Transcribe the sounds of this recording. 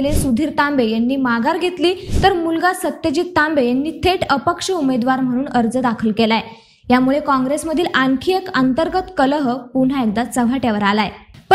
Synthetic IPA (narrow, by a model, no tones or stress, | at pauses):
lesud̪ʱiːɾt̪ãmbejanːiːmaɡaɾɡʱet̪liːt̪əɾmulɡasət̪ːjəd͡ʑiːt̪ːambejanːiːt̪ʰeʈʰəpəkʂəumed̪ʋaɾm̤əɽ̃uːnəɾd͡zəd̪akʰəlkelaj | jamuɭekɔ̃ŋɡɾesməd̪ʱiːlʔaŋkʰijəkənt̪əɾɡət̪kələɦəpun̤aek̚d̪at͡səʋʱaʈjaʋəɾalajepə